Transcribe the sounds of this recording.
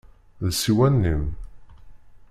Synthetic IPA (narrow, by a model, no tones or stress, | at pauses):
ðsiwænːim